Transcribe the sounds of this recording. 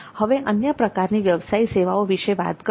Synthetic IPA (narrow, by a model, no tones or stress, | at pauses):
həʋeʔənjəpɾəkaɾniʋjəʋsaiseʋaoʋiʃeʋa̰t̪kə